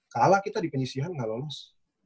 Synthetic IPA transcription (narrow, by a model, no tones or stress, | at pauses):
kalakit̪adipəɲisiɦanŋalomas